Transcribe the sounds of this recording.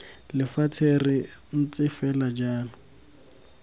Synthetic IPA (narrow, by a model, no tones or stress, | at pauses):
lɪfat͡sʰerɪn̩t͡sɪfɛlad͡ʒaːlʊ